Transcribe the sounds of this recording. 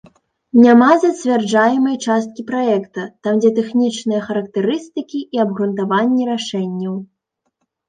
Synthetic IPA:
nʲamazɐt͡sʲvʲard͡ʐajɛmɐjt͡ʂast̪̚kʲipɾaɛkt̪ɐt̪amd͡zʲɛt̪ɛxnʲit͡ʂnɨjɐxɐɾɐk̚t̪ɛɾɨst̪ɨkʲiʔːɐbɣɾunt̪avanʲːiɾaʂɛnʲːɐw

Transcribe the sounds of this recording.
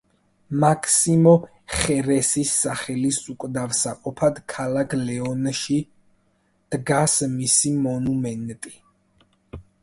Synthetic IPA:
makʰsimɔ | χɛɾɛsisːaχɛlisukʼd̪avsaqʼɔpʰad̪kʰalakʰlɛɔnʃi | d̪̥ɡasmisimɔnumɛnt̪ʼi

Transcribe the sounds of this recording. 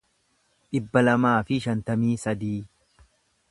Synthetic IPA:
ᶑɪbːɐlɐmaːfɪʃɐnt̪ɐmiːsɐd̪iː

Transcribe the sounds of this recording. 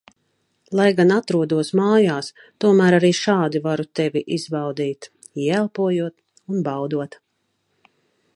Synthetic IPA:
lˠajɡanat̪ɾuɔd̪uɔsmaːjaːs | t̪uɔmæːɾaɾiːʃaːd̪ivaɾut̪ɛviʔizbawd̪iːt̪ | iɛælˠpuɔjuɔt̪ | unbɑwd̪uɔt̪

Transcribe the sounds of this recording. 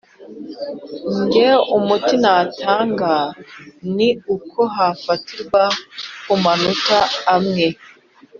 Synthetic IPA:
ɲɟeumutinataːŋɡaniukʰo̞ɦafatiɾɡwakumanutaːmŋe

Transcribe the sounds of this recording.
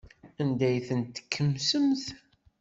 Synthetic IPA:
ænd̪æjθənt̪ːə̥kʰːəmsəmθ

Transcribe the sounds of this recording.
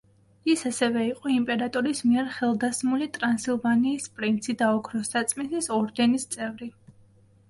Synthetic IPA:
isasɛvɛiqʼɔimpʼɛɾat̪ʼɔɾismiɛɾχɛlˠd̪asmulit̪ʼɾansilˠvaniːspʼɾint̪sʰid̪aɔkʰɾɔsat̪sʼminsisɔɾd̪ɛnist̪sʼɛvɾi

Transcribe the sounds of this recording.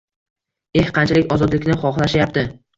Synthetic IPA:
e̞hqʰɑnt͡ʃʰalɪkʲɒzɒd̪lɪkʲnɪχɒχlˠaʃjapt̪ɪ

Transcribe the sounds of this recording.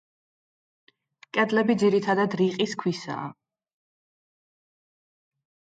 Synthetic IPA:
kʼɛd̪lɛbid̪ziɾit̪ʰad̪ad̪ɾiqʼiskʰwisa̰ː

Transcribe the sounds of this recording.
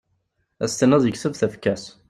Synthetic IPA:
æst̪ənːəðˤjəçsəvθæfkæs

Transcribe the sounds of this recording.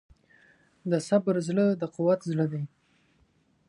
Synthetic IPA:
d̪əsabɾzɭəd̪əqʊwat̪zləd̪aj

